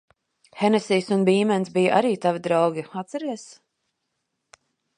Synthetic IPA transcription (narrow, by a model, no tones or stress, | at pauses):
hɛnɛsiːsunbiːmɛnsbijəʔa̰ɾiːt̪avid̪ɾawɡʲiat̪sɛɾiɛs